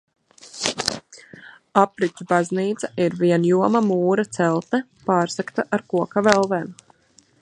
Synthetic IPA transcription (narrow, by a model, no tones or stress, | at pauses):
apɾit͡ʃ̪ʲubazniːt̪saiɾviɛnjuɔmamuːɾat̪sɛlˠt̪nɛ | paːɾsakt̪aʔaɾkuɔkavɛlˠvɛːm